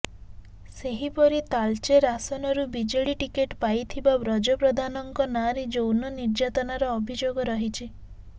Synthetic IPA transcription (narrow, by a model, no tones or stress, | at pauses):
seɦipɔɾit̪alt͡ʃeɾasɔnɔɾubid͡ʒeɭiʈikeʈpajt̪ʰibabɾɔd͡ʒɔpɾɔd̪ʱanɔŋkɔnaɾid͡ʒownɔniɾd͡ʒat̪ɔnaɾɔːbʱid͡ʒoɡɔɾɔɦit͡ʃʰi